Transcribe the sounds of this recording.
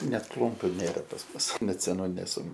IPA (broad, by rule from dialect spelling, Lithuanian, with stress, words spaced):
ˈnʲɛt ˈklˠʊmʲpʲʊ ˈnʲeːrɐ pɐs ˈmʊs nʲɛt sʲɛˈnuː nʲɛˈsʊ